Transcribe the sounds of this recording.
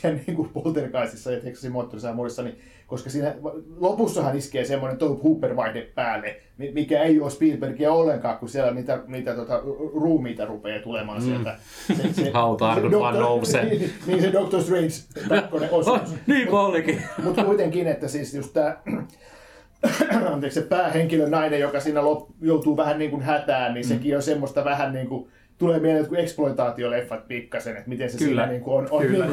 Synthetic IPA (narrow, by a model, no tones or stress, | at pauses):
ænniːŋkupolt̪erikɑisisːɑjɑt̪eksɑ̥simoːt̪ːorisɑmuodesːɑni | koskɑsiːnælopusːɑhɑniskeːsemːonent̪ouphuːpːerʋɑit̪eppæːlːe | nimikæeijuospiːlperkiæolːeŋkɑːkkusielːæniːt̪æniːt̪æt̪uot̪ɑruːmiːt̪ɑrupeːt̪ulemɑːnsielt̪æ | sesehɑut̪ɑːdokɑnoeniːsedokt̪orst̪reinst̪ɑkːoneʔossniːmpɑljokimut̪kuit̪eŋkinet̪ːæsiːsjust̪t̪æː | ɑnt̪eksepæːheŋkilønnɑinejjokɑsiːnːælopjout̪uːʋæhænniːŋkunhæt̪æːnniːnsekionsemːost̪ɑʋæhænniːŋku | t̪uleːmielet̪kueksploit̪ɑːt̪iolefːɑt̪̚pikːɑsenet̪mit̪ensesiːæniːŋkuononiː